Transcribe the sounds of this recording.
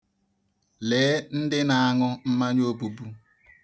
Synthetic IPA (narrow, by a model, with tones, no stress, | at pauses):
leː˨˦n̩˦dɪ˦na˨a˦ŋʊ˦m̩˦ma˦ɲ˦o˦bu˨bu˦